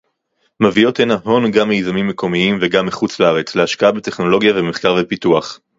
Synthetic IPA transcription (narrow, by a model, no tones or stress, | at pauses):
mavio̞tenaɦo̞nɡamːejzamimːeko̞miimveɡamːiχut͡slaaʁe̞t͡sleaʃkaabete̞χno̞lo̞ɡjaveme̞χkaʁvepituaχ